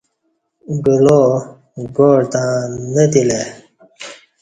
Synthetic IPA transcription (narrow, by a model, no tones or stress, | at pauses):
ɡulo | ɡoːɽt̪ãːnət̪ile